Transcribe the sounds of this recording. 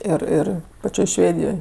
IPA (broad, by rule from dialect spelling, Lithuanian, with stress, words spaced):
ˈɪr ˈɪr pɐˈt͡ʃʲoːj ˈʃʲʋʲeːdʲɪjoːj